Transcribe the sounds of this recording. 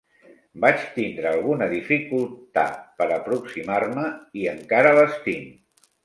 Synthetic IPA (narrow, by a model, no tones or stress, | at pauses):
bat͡ʃt̪ind̪ɾəːlˠɣunəðifikulˠt̪a̰t̪pəɾəpɾuksimarməiəŋkaɾələst̪im